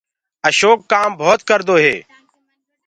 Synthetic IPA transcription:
əʃoːkːaːmbʱoːt̪̚kəɾd̪oːɦḛː

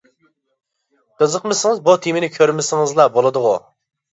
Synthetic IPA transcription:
qəzəqmɪsɪŋɨzbut̪ʰimɪnɪkʲʰøɾmɪsɪŋɨzlˠɑbolˠɨd̪ʊʁʊ̰

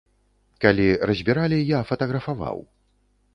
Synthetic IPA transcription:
kalʲirɐzʲbʲiɾalʲijafɐt̪ɐɣɾɐfava̰w

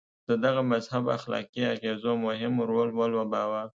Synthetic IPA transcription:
d̪̥əd̪aɣamazhaba̰xlɑ̰kiaɣezomʊhɪmɾolwalwabɑwaɾ

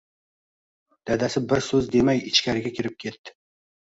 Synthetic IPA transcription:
d̪̥ad̪asɪbɪɾsɵzd̪emajɪt͡ʃkʲaɾɪɡʲakʲʰɪɾɪp̚kʲʰe̞t̪ːɪ̥

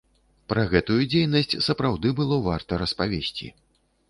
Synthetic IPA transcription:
pɾɐɣɛt̪ujud͡zʲejnɐsʲt͡sʲsɐpɾawd̪ɨbɨlˠɔvart̪ɐɾɐspavʲesʲt͡sʲḭ

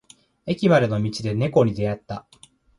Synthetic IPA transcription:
e̞kʲimaɾɯno̞mʲit͡ɕid̪e̞ne̞ko̞ɲ̟id̪e̞jat̪ːa

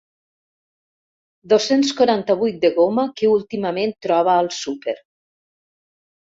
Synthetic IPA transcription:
d̪osenskwuɾant̪əβujt̪̚d̪əɣomakeulˠt̪iməment̪ːɾɔβəːlˠsupeɾ

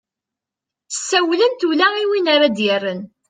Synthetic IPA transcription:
sːæwlənt̪ulæiwinaɾad̪jərːən

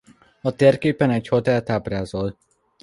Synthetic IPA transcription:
ɒt̪eːrkeːpɛnɛchot̪ɛlt̪abraːzol

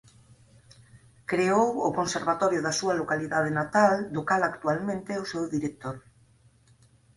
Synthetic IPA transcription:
kɾeowokonseɾβ̞at̪oɾjoðasualokaliðað̞enat̪ald̪okalakt̪ualmẽnt̪eosewðiɾek̚t̪oɾ

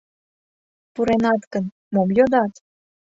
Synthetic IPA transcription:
puɾenɑt̪kən | momjod̪ɑt̪

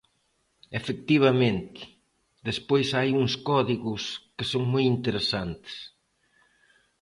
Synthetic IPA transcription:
efek̚t̪iβ̞ɐmẽnt̪ɪ̥ | ðespojsajuŋskɔðiɣʊskɪsoŋmojint̪eɾesant̪ɪ̥s

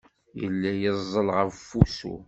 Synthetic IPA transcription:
jə̰lːæjəzˤːəlʁəvfusṵ

